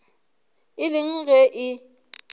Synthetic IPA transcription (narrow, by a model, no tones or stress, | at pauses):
ɪlɪŋ̩ɣɛʔɪ